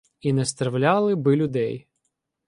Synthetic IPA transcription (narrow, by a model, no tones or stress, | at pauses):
inɛst̪ɾɐwlʲɑlˠɪbɪlʲʊd̪ɛj